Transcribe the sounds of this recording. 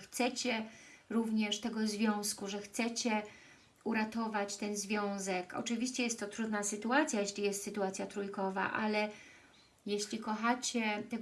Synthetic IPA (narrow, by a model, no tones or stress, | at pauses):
xt̪sɛt͡ɕɛɾuvɲɛʂt̪ɛɡɔzvʲjɔ̃w̃skuʐɛxt̪sɛt͡ɕɛ | uɾat̪ɔvat͡ɕt̪ɛnzvʲjɔ̃w̃zɛkɔ̰t͡ʂɘvʲiɕt͡ɕɛjɛst̪ːɔt̪ɾud̪nasɘt̪uat̪sʲjajeɕlʲijɛst̪sɘt̪uat̪sʲjat̪ɾujkɔva̰ʔa̰lɛ | jeɕlʲikɔxat͡ɕɛt̪ɛ